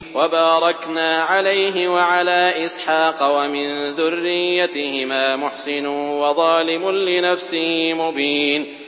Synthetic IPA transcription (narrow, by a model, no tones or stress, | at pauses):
wabaːɾˤɑknaːʕalajɦɪwaʕalaːʔɪsħɑːqɑwamɪnðʊrːɪjːat̪ɪhɪmaːmʊħsɪnʊwɑðˤɑːlɪmʊnlɪnafsɪhmʊbiːn